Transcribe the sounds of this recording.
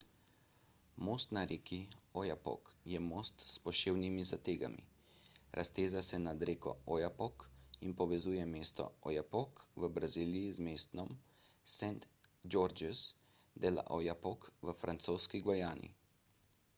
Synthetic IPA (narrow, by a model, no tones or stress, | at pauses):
moːst̪naɾeːkʰiɔjapɔ̰kjɛmoːst̪spɔʃeːwnimizat̪eːɡa̰mḭ | ɾʔa̰st̪eːzasɛnad̪ɾeːkɔ̰ɔjapɔkinpɔʋɛzuːjɛmeːst̪ɔ̰ɔ̰japɔkʋəbɾaziːlijizmeːst̪nɔm | sɛnt̪d͡ʒoɾd͡ʒɛs | d̪ela̰ʔojapɔkʋəfɾʔant̪soːskiɡʋɔjaːnḭ